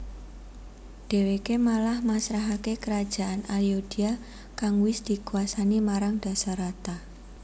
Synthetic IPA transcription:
d̥e̤wekemalahmasɾaɦakekəɾad̥ʒ̥a̤ʔanaljod̥i̤a | kaŋwɪsd̪̥i̤kuasanimaɾaŋd̥a̤saɾat̪a

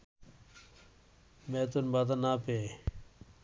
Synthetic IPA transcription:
meːt̪̬unbaːt̪̬anaːpeː

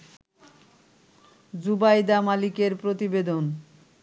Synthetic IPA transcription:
d͡ʑubajd̪amalikeɾpɾot̪ibed̪on

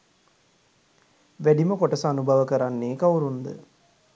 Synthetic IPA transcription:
ʋæɖiməkoʈəsanubɐʋəkəɾanːeːkawɾund̪ə̰

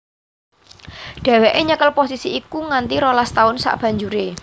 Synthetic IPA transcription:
ɖ̪̥ä̤weʔeɲəkəlposisiːkuŋant̪iɾolast̪aʊnsa̰ʔb̥ä̤ɲd͡ʒuɾe

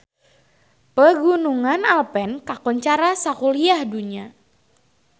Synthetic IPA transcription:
pəɡunuŋanalpɛnkakɔɲt͡ʃaɾasakuliahduɲa

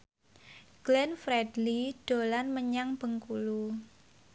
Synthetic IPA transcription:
ɡ̥lɛnfɾɛdliɖ̥o̤lanməɲaŋb̥ə̤ŋkulu

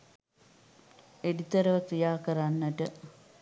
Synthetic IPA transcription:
eɽit̪ɐɾɐʋɐk̪ijaːkɐɾanːɐʈɨ

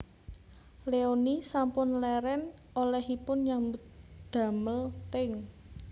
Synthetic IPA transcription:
leonisampʊnlɛɾɛnolɛhipʊnɲambut̪d̪̥ä̤məlt̪ɪŋ

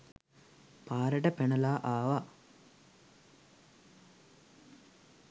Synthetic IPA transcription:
paːɾəʈəpenəlaːʔaːʋa

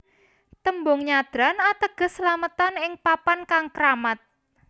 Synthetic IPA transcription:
t̪əmbʊŋɲad̪̥ɾanat̪əɡ̥ə̤səlamət̪anɪŋpapankaŋkɾamat̪̚

